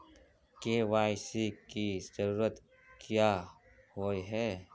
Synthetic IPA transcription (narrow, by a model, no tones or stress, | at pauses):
keːʋaːjsikizəɾuːɾət̪ | kʰija | hoiɦɛː